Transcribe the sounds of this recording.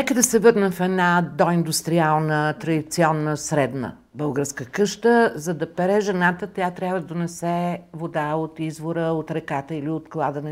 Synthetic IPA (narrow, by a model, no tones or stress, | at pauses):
nɛkəd̪ɐsɛvɤɾnɛmfɛd̪nad̪ɔind̪ust̪ɾialˠnət̪ɾɐd̪it̪siɔnːəsɾɛd̪nə̰ | bɤlˠɡəɾskəkɤʃt̪əzɐd̪ɐpɛɾɛʒɛnat̪ət̪jat̪ɾʲjavəd̪ɐd̪onɛsɛvod̪aot̪izvoɾəot̪ɾɛkat̪əiliot̪klˠad̪ənɛ